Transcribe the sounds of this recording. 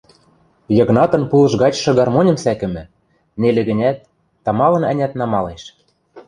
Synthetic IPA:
jɤ̆ɣnɑt̪ɤ̆npulɤ̆ʒɣɑt͡ɕʃɤ̆ɡɑrmonʲɤ̆msækɘ̆mɘ̆ | nelĕɣɘ̆nʲæt̪̚ː | ɑmɑlɤ̆næ̆nʲæt̪nɑmɑleʃ

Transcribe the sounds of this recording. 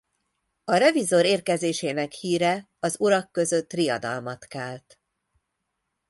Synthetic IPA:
ɒɾɛvizo̞ɾeːrkɛzeːʃeːnɛkhiːɾɛ | ɒzuɾɒkːø̞zø̞t̪ːrijɒ̰d̪ɒ̰lmɒt̪kɛːlt̪

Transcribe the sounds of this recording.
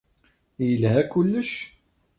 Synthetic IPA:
jəlɦækʊlːəʃ

